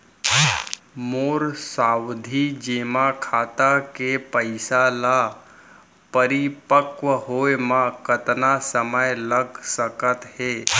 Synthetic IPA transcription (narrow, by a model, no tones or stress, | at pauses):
moːɾsaːwd̪ʱid͡ʒeːmakʰaːt̪akepəɪsala | pəɾipəkʋəɦoːemãkət̪nasəməjləɡsəkət̪heː